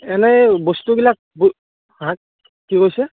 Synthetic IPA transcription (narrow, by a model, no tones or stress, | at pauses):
ɛnɛbostubilak̚bu | hã | kikojsɛ